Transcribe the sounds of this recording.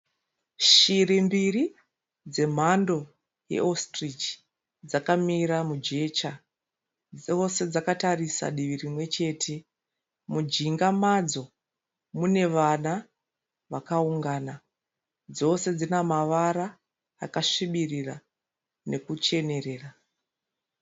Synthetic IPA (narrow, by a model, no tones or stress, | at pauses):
ʃirimbiri | d͡ze̞m̤ando̞ | jḛʔostrit͡ʃ | d͡zakamiɾamud͡ʒe̞t͡ʃa | ose̞d͡zakatarisa̰ɗiʋirimwe̞t͡ʃe̞ːtʰe̞ | mud͡ʒiŋɡamad͡zo̞ | mune̞ʋana | ʋakauŋɡaːna | d͡zo̞se̞d͡zinamaʋaɾa̰ː | kaʂiɓirira | ne̞kut͡ʃe̞ne̞re̞ːra